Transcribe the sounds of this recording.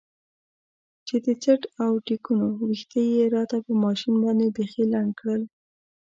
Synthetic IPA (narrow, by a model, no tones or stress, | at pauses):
t͡ʃed̪ət͡səʈawʈikunowixt̪əjeɾɑt̪apəmɑʃinbɑnd̪ebexelaɳɖkɽəl